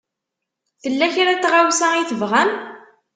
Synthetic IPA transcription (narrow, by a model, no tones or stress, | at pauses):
θəlːæçɾæt͡sːʁawsæiθəvʁæn